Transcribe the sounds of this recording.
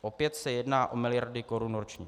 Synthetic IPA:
ʔopjɛt̪sɛjɛdnaːʔo̞mɪlɪjaɾdɪkoɾunoɾot͡ʃɲɛ̰

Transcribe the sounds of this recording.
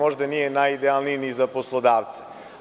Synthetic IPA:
oʒd̪anijenajid̪ealˠniinizaposlˠod̪aːʋt̪se̥

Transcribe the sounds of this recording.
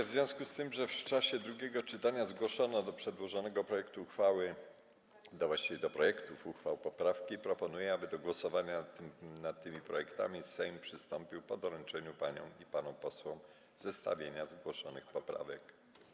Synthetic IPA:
vzvʲjɔ̃w̃skust̪ɘmʐɛft͡ʂaɕɛd̪ɾuɡʲɛɡɔt͡ʂɘt̪aɲazɡwɔʂɔnɔd̪ɔpʂɛd̪wɔʐɔnɛɡɔpɾɔjɛkt̪uːxfawɘ | d̪ɔvwaɕt͡ɕivʲɛd̪ɔpɾɔjɛkt̪ufuxfawpɔpɾafkʲipɾɔpɔnujɛabɘd̪ɔɡwɔsɔvaɲanat̪̚t̪ːɘmʲipɾɔjɛkt̪a̰mʲisɛjmpʂɘst̪ɔmpʲiwpɔd̪ɔɾɛnt͡ʂɛɲupaɲɔ̰̃w̃ipanɔ̃w̃pɔswɔ̃m | zɛst̪a̰vʲjeɲazɡwɔʂɔnɘxpɔpɾa̰vɛk

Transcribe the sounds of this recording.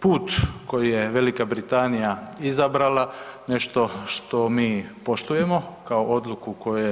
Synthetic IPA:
puːt̪ko̞jije̞ʋe̞likabɾit̪anijaizabɾalane̞ʃt̪o̞ʃt̪o̞miːpo̞ʃt̪uje̞mokaoʔo̞d̪lukuko̞juje

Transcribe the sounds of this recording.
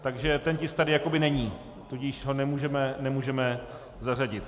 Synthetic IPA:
t̪aɡʒɛt̪ɛncɪst̪adɪjako̞bɪnɛɲiː | t̪uɟiʃɦo̞nɛmuːʒɛmɛnɛmuːʒɛmɛ | zar̝aɟɪt̪

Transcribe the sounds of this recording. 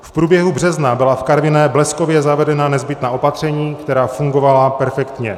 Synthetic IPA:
fpɾuːbjɛɦubr̝ɛznabɪlafkaɾvɪnɛblɛskovjɛzavɛdɛnanɛzbɪt̪naːʔo̞pat̪r̝̥ɛɲiːkt̪ɛɾaːfuŋɡo̞valapɛɾfɛkt̪ɲɛ

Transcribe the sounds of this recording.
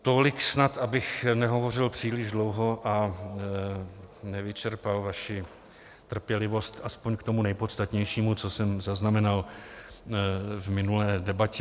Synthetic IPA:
t̪olɪksnat̪abɪxnɛɦo̞vo̞r̝ɪlpr̝̥iːlɪʒdlowɦo̞ʔa | nɛvɪt͡ʃɛɾpalvaʃɪ | t̪r̩pjɛlɪvo̞st̪ʔaspoɲkt̪o̞munɛjpo̞t̪st̪at̪ɲɛjʃiːmut͡sosɛmzaznamɛnal | vmɪnulɛːdɛbacɛ

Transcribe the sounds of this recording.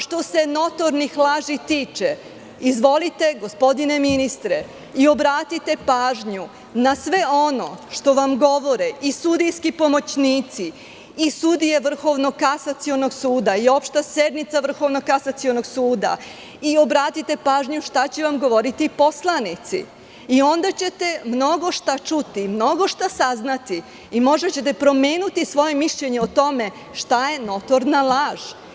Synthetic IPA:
ʃt̪o̞se̞no̞t̪o̞ɾnixlaːʒit̪iːt͡ʃe | izʋo̞lit̪e̞ɡospo̞d̪ine̞minist̪ɾe | io̞bɾaːt̪it̪e̞paːʒɲu | nasʋe̞o̞no̞̰ʃt̪o̞ʋamɡo̞ʋo̞ɾeisud̪ijskipo̞mo̞t͡ɕniːt̪si | isud̪ije̞ʋr̩xo̞ʋno̞kasat̪sio̞no̞ɡsuːd̪aio̞pʃt̪ased̪mit̪saʋr̩xo̞ʋnokasat̪siono̞ɡsuːd̪a̰ | io̞bɾaːt̪it̪e̞paːʒɲuʃt̪at͡ɕeʋamɡo̞ʋo̞ɾit̪ipo̞slˠanit̪sḭ | io̞nd̪at͡ɕe̞t̪e̞mno̞ɡo̞ʃt̪at͡ʃut̪imno̞ɡo̞ʃt̪asaznat̪i | imo̞ʒet͡ɕet̪e̞pɾo̞meːnut̪isʋo̞je̞miʃʎe̞ɲeot̪o̞me̞ | ʃt̪aje̞no̞t̪oɾnalˠaːʒ̥

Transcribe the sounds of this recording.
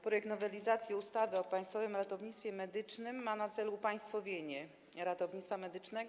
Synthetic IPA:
pɾɔjɛk̚t̪nɔvɛlʲizat̪sʲjiust̪avɘɔpaj̃st̪fɔvɘmɾat̪ɔvɲit̪st̪fʲjɛmɛd̪ɘt͡ʂnɘmːanat̪sɛlupaj̃st̪fɔvʲjeɲɛ | ɾat̪ɔvɲit̪t̪famɛd̪ɘt͡ʂnɛɡ

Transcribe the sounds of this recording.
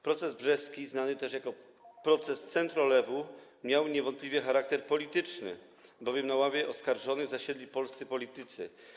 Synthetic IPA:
pɾɔt̪sɛzbʐɛskʲiznanɘt̪ɛʂjakɔ | pɾɔt̪sɛst̪sɛnt̪ɾɔlɛvu | mʲjawɲɛvɔnt̪̚plʲivʲjɛxaɾak̚t̪ɛɾpɔlʲit̪ɘt͡ʂnɘ̰ | bɔvʲjɛmnawavʲjɛʔɔskaɾʐɔnɘɣzaɕɛd̪lʲipɔlst̪sɘpɔlʲit̪ɘt̪sɘ̰

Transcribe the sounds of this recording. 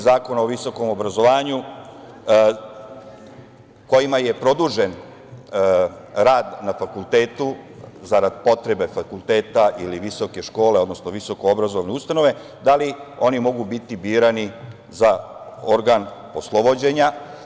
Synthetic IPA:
zaːko̞naoʋiso̞ko̞mo̞bɾazo̞ʋaːɲu | ko̞jimaje̞pɾo̞d̪uʒe̞n | ɾaːd̪nafakulˠt̪e̞ːt̪uzaɾad̪̚po̞t̪ɾe̞be̞fakulˠt̪e̞ːt̪aʔiliʋiso̞ke̞ʃko̞ːleo̞d̪no̞snoʋiso̞ko̞obɾazo̞ʋneust̪ano̞ʋe̞ | d̪alio̞nimo̞ɡubit̪ibiːɾani | za | o̞ɾɡan | o̞slˠo̞bod͡ʑe̞ɲa

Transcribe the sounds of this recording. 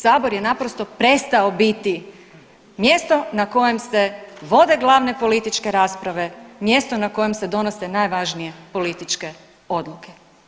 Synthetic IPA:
saːbo̞ɾje̞napɾost̪o̞pɾe̞st̪aobit̪i | mje̞ːst̪o̞nako̞je̞mse̞ʋo̞d̪e̞ɡlˠaːʋne̞po̞lit̪it͡ʃke̞ɾaːspɾaʋe̞mjest̪onako̞je̞msed̪o̞nosenajʋaʒnije̞po̞lit̪it͡ʃke̞ | o̞d̪lˠuke̞

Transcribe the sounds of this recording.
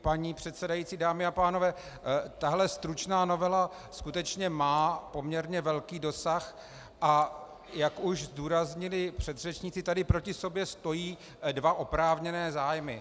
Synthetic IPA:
paɲiːpr̥ɛt̪sɛdajit͡siːdaːmɪapaːno̞vɛː | t̪aɦlɛst̪ɾut͡ʃnaːno̞vɛla | skut̪ɛt͡ʃɲɛmaːpo̞mɲɛɾɲɛvɛlkiːdo̞sax | ʔa | jakuʃzduːɾazɲɪlɪpr̥ɛd̪rɛt͡ʃɲɪt͡sɪt̪adɪpɾo̞cɪso̞bjɛst̪o̞jiː | dvaʔo̞pɾaːvɲɛnɛːzaːjmɪ̰

